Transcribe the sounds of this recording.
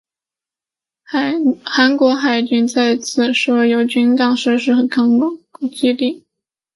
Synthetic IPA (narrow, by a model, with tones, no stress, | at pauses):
xa˧˥nkwɔ˧˥xa˨˩ɪt͡ɕy˥˧ŋt͡sa˥˧ɪt͡sʰɹ̩˥˨˩ʂwɔ˥jo˧˥ʊt͡ɕy˥nt̪ɑ˥˩ŋʂɻ̩˥˧ʂɻ̩˥˩xə˧˩kʰɑ˥ŋlʊ˥ŋ˧˩t͡ɕi˥li˥˩